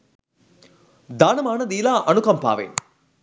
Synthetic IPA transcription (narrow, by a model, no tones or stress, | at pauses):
d̪aːnɐmaːnɐd̪iːlaːʔɐnukɐmpa̰ːʋḛː